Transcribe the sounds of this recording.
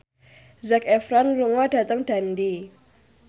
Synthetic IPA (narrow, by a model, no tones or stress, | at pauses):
zakɛfɾanluŋad̥a̤t̪əŋd̥a̤ndi